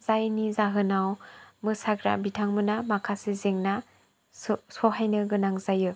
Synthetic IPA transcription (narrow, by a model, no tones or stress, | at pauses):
zajnizaɦɯnawmɯsaɡɾa̰bitʰaŋmɯnamakʰasezeŋna | sɔɦajnɯɡɯnaŋzajɯ